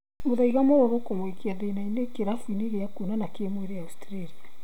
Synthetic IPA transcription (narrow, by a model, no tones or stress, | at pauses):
moðaiɣamɔɾɔɾokomwekeaðenainekeɾafwineɣeakunanakemweɾejaustɾaɾia